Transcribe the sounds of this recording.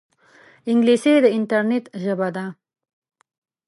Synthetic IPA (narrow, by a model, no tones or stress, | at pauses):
ɪŋɡlised̪əɪnt̪aɾnet̪ʒəbad̪a